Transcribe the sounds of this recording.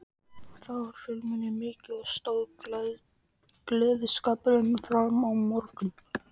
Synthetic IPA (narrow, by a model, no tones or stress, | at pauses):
θavaɾ̥fʏlmʏnɪmɪːcɪɔst̪owð | klɛːðɪskapɾɪnfɾamawmɔɾkʏm